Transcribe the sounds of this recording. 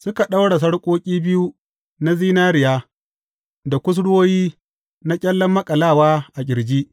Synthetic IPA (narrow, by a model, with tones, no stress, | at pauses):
sʊ˦ka˨ɗa˦wɽa˨s̬ɐ˦ɽkʷʼoː˦kʲʼiː˦bɪ˦ju˦ | na˦ziː˦naː˦ɾɪ˨jaː˦ | da˨kʷʊ˦s̬ɽoː˦jiː˦ | na˦kʲʼɛ˦lːɐ˦mːɐ˦kʼɐ˨laː˦˨waː˦ʔa˨ɡʲɪ˨ɽd͡ʒiː˦ʔ